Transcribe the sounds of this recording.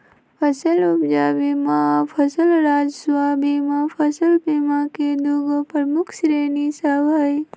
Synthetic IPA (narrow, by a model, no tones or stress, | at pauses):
pʰɐsəlubd͡ʒaːbimãpʰɐsəlɾaːd͡ʒswaːbimãpʰɐsəlpimãːked̪uɡəpəɾmukʰsɾeːnisabɐj